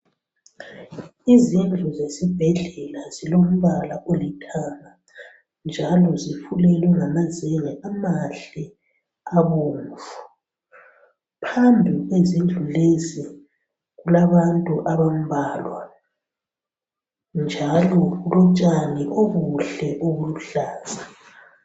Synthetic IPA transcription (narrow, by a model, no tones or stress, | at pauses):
izind͡ɮʱuzesib̥ʱɛɮɛlazilom̩βalaʔolitʰaːŋa | nd͡ʒʱalɔzifulɛlwɛŋamazeŋɛʔamaɬɛ | aβuːɱvu | pʰambʱiɣwezind͡ɮʱulezi | ɣulaβantʼuʔaβam̩βʱaːlwa | nd͡ʒʱalɔɣulɔt͡ʃʼaniʔoɣuɬɛʔuɣuluɬaːz̥a